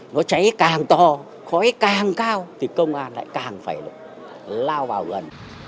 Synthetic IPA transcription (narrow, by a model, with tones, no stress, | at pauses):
nɔ˨˦t͡ɕa˨˦jkaː˨˩ŋt̪ɔ˨˩ | xɔ˨˦jkaː˨˩ŋkaː˧wt̪ʰi˨˩kə˧wŋ͡mʔaː˧nla̰ː˧˥jkaː˨˩ŋfaː˧˩jlṵ˧˨ | laː˧wvaː˨˩wɣə˨˩n